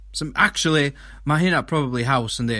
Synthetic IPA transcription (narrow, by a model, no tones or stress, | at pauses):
sə̃mʔak̚t͡ʃʉl̩ˠi | maɦenəʔ̚pʰɹ̥ɔbəblˠiɦaʊsə̃nðe